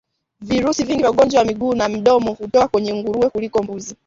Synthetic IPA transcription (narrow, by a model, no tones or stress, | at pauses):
viɾusiviŋɡivjauɠɔnd͡ʒwawamiɠuːnam̩ɗɔmɔhutɔkakwɛɲɛŋɡuɾuwɛkulikɔmbuzi